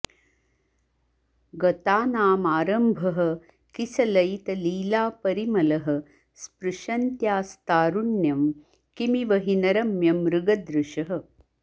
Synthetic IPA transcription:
ɡɐt̪aːnaːmaːɾɐmbʱɐɦɐ̆ | kisɐlɐjt̪ɐliːlaːpɐɾimɐlɐɦɐ̆ | spɾuʂɐnt̪jaːst̪aːɾuɳjɐm | kimiʋɐɦinɐɾɐmjɐmɾuɡɐd̪ɾuʃɐɦɐ̆

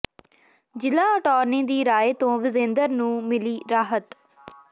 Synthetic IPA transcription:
d͡ʒɪlaːəʈɔːɾnĩːd̪iːɾaːeːt̪õːʋɪzẽːnd̪əɾnũːmɪliːɾaːɦət̪

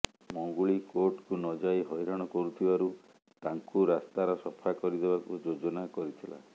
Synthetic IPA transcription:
mɔŋɡuɭikoɾʈkunɔd͡ʒajɦɔjɾɔɽ̃ɔkɔɾut̪ʰibaɾu | t̪aŋkuɾast̪aɾɔsɔpʰakɔɾid̪ebakud͡ʒod͡ʒɔnakɔɾit̪ʰila̰

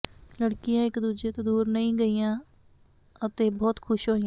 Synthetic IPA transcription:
ləɽkɪjãːɪkd̪uːd͡ʒeːt̪eːd̪uːɾnəɦĩːɡəiːjãː | ət̪eːbɔːt̪kʰʊʃɦoːijãː

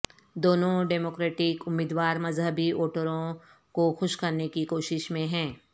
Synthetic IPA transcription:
d̪oːnõɖeːmoːkɾeːʈɪkʊmːiːd̪waːɾmɐzɦəbiʔoːʈəɾõ | koxʊʃkɐɾnekikoːʃɪʃmẽɦɛ̃ː

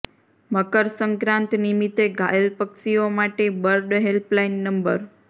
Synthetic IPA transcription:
məkəɾsəŋkɾãnt̪nimit̪eɡʱa̰jəlpəkʃiomaʈebəɾɖɦelplainːəmbə̰ɾ

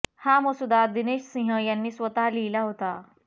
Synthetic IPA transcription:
haməsud̪ad̪ineɕsĩɦəjanːiːsʋət̪aliːlaɦot̪a

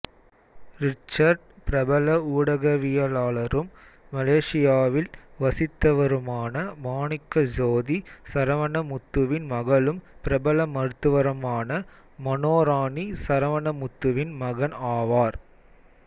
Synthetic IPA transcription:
ɾɪt͡ʃːɐɾɖpɪɾɐbɐlɐuːɽɐɣɐʋɪjɐlaːɭɐɾɯmː | ɐleːʂɪjaːʋɪlʋɐsɪt̪ːɐʋɐɾɯmaːnɐmaːɳɪkːɐd͡ʒoːðisɐɾɐʋɐnɐmʊt̪ːɯʋɪnmɐɣɐlɯmpɪɾɐbɐlɐmɐɾɯt̪ːɯʋɐɾɐmaːnɐ | mɐnoːɾaːnisɐɾɐʋɐɳɐmʊt̪ːɯʋɪnmɐɣɐnaːʋaːɾ

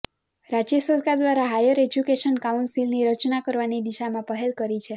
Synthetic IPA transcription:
ɾad͡ʒjəsəɾkaɾd̪ʋaɾaɦajəɾed͡ʒjukeʃənkaunsilniɾət͡ʃnakəɾʋanid̪iʃamãpəɦelkəɾit͡ʃʰe

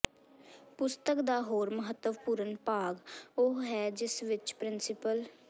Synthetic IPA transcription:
pʊst̪əkd̪aːɦoːɾməɦət̪ːəʋpuːɾənpaːɡoɦɛːd͡ʒɪsʋɪt͡ʃpɾɪnsɪpəl

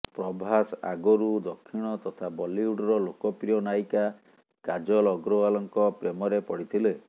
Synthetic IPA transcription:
pɾɔbʱasa̰ɡɔɾud̪ɔkʰːiɽ̃ɔt̪ɔt̪ʰabɔliuɖɾɔlokɔpɾijɔnajka | kad͡ʒɔlɔɡɾoalɔŋkɔpɾemɔɾepɔɽit̪ʰile

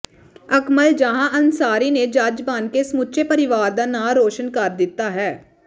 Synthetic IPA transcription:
əkməld͡ʒaɦãːʔənsaːɾiːned͡ʒad͡ʒbaːnkeːsəmʊtːʃeːpəɾɪʋaːɾd̪aːnaːɾoːʃənkəɾd̪ɪt̪ːaːɦɛː

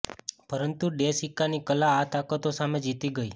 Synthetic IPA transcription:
pəɾənt̪uɖesikanikəlaːt̪akət̪osamed͡ʒit̪iɡəi

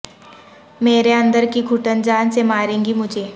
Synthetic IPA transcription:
meːɾeɐ̃nd̪əɾkiɡʱʊʈənd͡ʒaːnsemaːɾẽːɡimʊd͡ʒʱeː

